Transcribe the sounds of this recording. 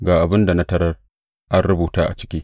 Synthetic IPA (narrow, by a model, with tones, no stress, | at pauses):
ɡaː˨ʔa˨bɪ˦nda˨na˦tɐ˦ɾɐ˦r | ʔa˦nɽʊ˦buː˨taː˦ʔa̰˨t͡ʃɪ̥˦kʲiː˦